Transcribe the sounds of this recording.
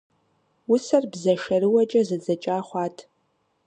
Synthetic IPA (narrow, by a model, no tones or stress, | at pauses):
wʊsɐrbzɐʃɐɾɨwɐt͡ʃʼɐzɐd͡zɐt͡ʃʼaːχʷɑːtʰ